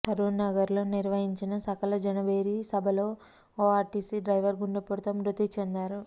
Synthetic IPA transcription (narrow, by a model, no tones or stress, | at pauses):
t̪ɐɾuːɾnɐɡɐɾlo̞ːniɾʋɐɦiɲt͡ʃinɐsɐkɐlɐd͡ʒɐnɐbeːɾisɐbʱɐloː | oːaːɾʈiːsiɖɾɐjʋɐɾɡuɳɖɐpuɽt̪ɐmɾut̪it͡ʃend̪aːɾu